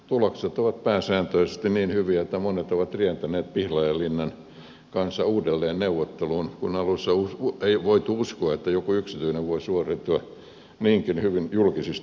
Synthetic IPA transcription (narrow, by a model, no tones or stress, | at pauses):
t̪ulɑkset̪oʋɑt̪̚pæːsæːnt̪øisest̪inniːnhyʋiæet̪ːæmonet̪oʋɑt̪rient̪æneːt̪̚pihlɑjɑlinːɑn | kɑnsːɑuːdelːeːnneuʋːˑot̪ːeluːnkunɑlusːɑusueiʋoit̪uuskoɑet̪ːæjokuyksit̪yineʋʋoisuoret̪ːuɑ | niːŋkinhyʋinjulkisist̪